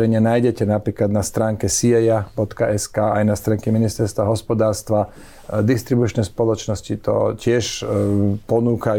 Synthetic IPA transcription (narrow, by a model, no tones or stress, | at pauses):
ɛɲɪanajɟɛcɛnapɾiːklad̪nast̪ɾaːŋkɛsiɛjabɔt̪kaʔɛskaːajnast̪ɾaːŋkɛminist̪ɛɾst̪ʋaɦɔspɔd̪aːɾst̪ʋa | d̪ist̪ɾibut͡ʃnɛspɔlɔt͡ʃnɔscit̪ɔ̰cɪɛʃ | pɔnuːka